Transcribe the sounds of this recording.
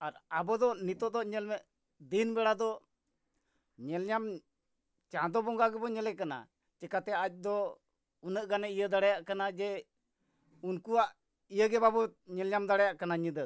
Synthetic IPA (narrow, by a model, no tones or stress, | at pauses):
aɾabɔd̪ɔʔnit̪ɔd̪ɔʔɲɛlmɛʔ | d̪inbɛɽad̪ɔʔ | ɲɛlɲam | t͡ʃãd̪ɔbɔŋɡaɡɛbɔɲɛlɛkana̰ | t͡ʃɛkat̪ɛac̚ˀd̪ɔ | unəʔɡanɛʔijəd̪aɽajaʔkanad͡ʒɛ | unkuwaʔ | ijəɡɛbabɔɲɛlɲamd̪aɽajaʔkanaɲəd̪ə